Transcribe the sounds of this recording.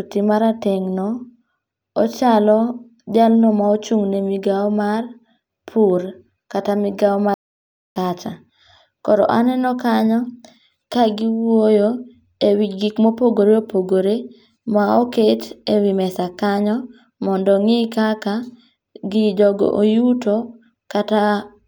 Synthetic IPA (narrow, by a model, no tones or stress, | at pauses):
utimaɾateŋnɔ | ot͡ʃalɔ | d͡ʒalnɔmaot͡ʃuŋnemiɡaɔmar | pʰur | katamɪɡaɔma | kat͡ʃa | kɔɾɔ̰ʔanɛnɔkaɲɔ | kaɡɪwojo | ewit͡ʃɡikmopoɡoɾeopoɡoɾe | maoketewimɛsakaɲɔ | mɔndɔŋɪkaka | ɡɪdɔɡo̰ʔojuto | kata